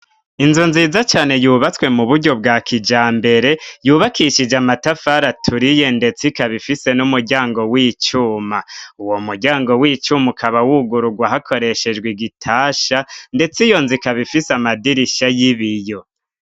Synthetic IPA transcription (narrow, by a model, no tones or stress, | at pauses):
inzunziːzat͡ʃaːne̞juːβat͡swe̞muβuɾɟo̞bɡaːkʰid͡ʒaːmbe̞ɾe̞juːβakʰiʃid͡ʒamatafaɾatʰuɾije̞nde̞t͡sikaβifise̞numuɾɟaːŋɡo̞wiːt͡ʃuːmauwo̞muɾɟaːŋɡo̞wiːt͡ʃumukʰaβawuɡuɾuɡwaɦakʰo̞ɾe̞ʃe̞d͡ʒɡwiɡitʰaːʃande̞t͡sijo̞nzikaβifisamadiɾiʃajiβijo̞